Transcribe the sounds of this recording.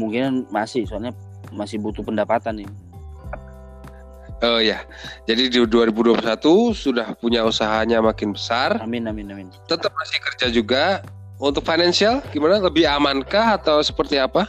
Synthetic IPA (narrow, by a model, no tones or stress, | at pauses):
muŋkinanmasɪhsualɲa | masɪhbut̪upəndapat̪anɪ | əja | d͡ʒadidduaɾibuduapuɾsat̪usudahpuɲausaɦaɲamakɪnbəsaramɪnamɪnamɪnt̪ənt̪əp̚masɪhkərd͡ʒad͡ʒuɡa | unt̪ʊk̚fajnansialɡimanaləbɪhamankaɦat̪awsə̥pərt̪iapa